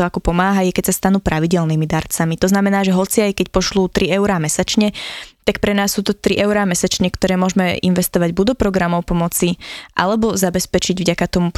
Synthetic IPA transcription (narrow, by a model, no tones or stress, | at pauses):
ɔakɔpɔmaːɦajɛkɛcsast̪anuːpɾaʋiɟɛlniːmid̪aɾt͡samit̪ɔznamɛnaːʒɛɦɔt͡siajkɛcpɔʃluːt̪ɾiɛʊɾaːmɛsat͡ʃɲɛt̪akpɾɛnaːsːuːt̪ɔt̪ɾiʔɛʊɾaːmɛsat͡ʃɲɛkt̪ɔɾɛːmʊɔʒmɛḭnʋɛst̪ɔʋaɟbud̪ɔpɾɔɡɾamɔʊpɔmɔt͡siʔa̰lɛbɔzabɛspɛt͡ʃiɟvɟakat̪ɔmup